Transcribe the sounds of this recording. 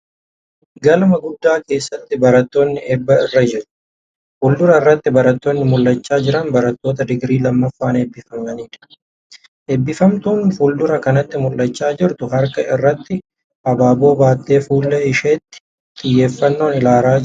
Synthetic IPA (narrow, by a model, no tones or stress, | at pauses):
ɡɐlmɐɡʊd̪ːaːke̞ːsːɐt̪ːɪbɐɾɐt̪ːo̞ːnːɪʔeːbːɐɪrːɐd͡ʒɪɾʊ̥ | fʊld̪ʊɾɐɪrːɐt̪ːɪbɐɾɐt̪ːoːnːɪmʊlːɐt͡ʃːaːd͡ʒɪɾɐnbɐɾɐt̪ːo̞ːt̪ɐd̪ɪɡɾiːlɐmːɐfːaːneːbːɪfɐmnɐniːᶑɐ̥ | heːbːɪfɐmt̪uːnfuld̪ʊɾɐkɐnɐt̪ːɪmʊlːɐt͡ʃːaːd͡ʒɪɾt̪ʊɦɐɾkɐʔɪrːɐt̪ːɪ | ʔɐbaːbo̞ːbaːt̪ːe̞ːfuːlːeːɪʃeːt̪ːɪ̥ | t̪ʼɪjːe̞ːfːɐnːo̞ːnɪlaːɾaː